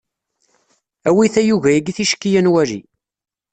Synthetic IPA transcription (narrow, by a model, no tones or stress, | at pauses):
æwiθæjuʝæjiɡiθiʃkːijænwæɾḭ